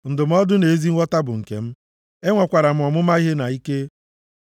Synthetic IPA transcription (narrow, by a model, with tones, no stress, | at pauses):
n̩˨dʊ˨m̩˦ɔ˦dʊ˦ne˨˦zi˦ŋ̩ʷ˦ɔ˦ta˦bʊ˨ŋ̩˨kḛ˨m̩˦ | e˦ŋʷa˨kʷa˨ɾa˨m̩˦ɔ˨mʊ˦ma˦i˦ɦe˦na˨i˦ke˦